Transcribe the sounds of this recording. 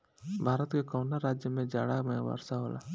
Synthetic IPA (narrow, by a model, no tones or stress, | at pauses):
bʱaːɾət̪kekoːnaɾaːd͡ʒjəmẽd͡ʒa̰ːɽamẽʋa̰ːɾsaɦo̰ːla̰ː